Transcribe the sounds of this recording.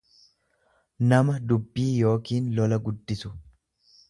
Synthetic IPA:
nɐmɐd̪ʊbːiːjo̞ːkiːnlɔlɐɡʊd̪ːɪsʊ̥

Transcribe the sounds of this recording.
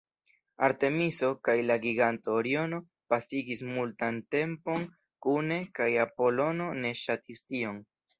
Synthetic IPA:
aɾte̞misokajlaɡiɡantoːɾiono̞ | pasiɡismultante̞mpo̞n | kune̞kajapo̞lo̞no̞ne̞ʃatʰistio̞n

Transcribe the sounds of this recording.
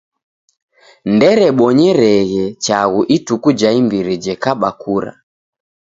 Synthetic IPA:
ndɛɾɛɓɔɲɛɾɛɣɛt͡ʃaɣuʔitukud͡ʒaimbiɾid͡ʒɛkaɓakʰuɾa̰

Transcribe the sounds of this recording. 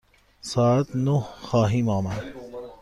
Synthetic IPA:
saːt̪noɦxaːɦĩːmaːman

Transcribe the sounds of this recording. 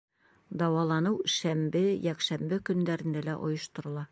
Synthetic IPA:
d̪ɑwɑlˠɑnɤwʃæmbɘjækʃæmbɘkɵ̆nd̪æɾɘ̆nd̪ælæʔŏ̰jɤ̆ʃt̪ŏɾɤ̆lˠɑ

